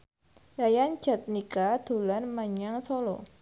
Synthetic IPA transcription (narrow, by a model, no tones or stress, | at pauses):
jajan̥d͡ʒ̥a̤t̪̚nikad̪̥ṳlanmaɲaŋsolɔ̰